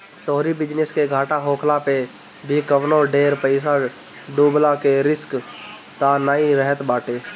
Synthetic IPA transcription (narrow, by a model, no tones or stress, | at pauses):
t̪oɦɾibɪd͡ʒneskeɡʱaːʈaɦoːkʰlape | bʱikəʋnõɖeːɾpəɪs̬a | ɖuːblakeɾɪsk | t̪anaːĩɾɛɦət̪baːʈeː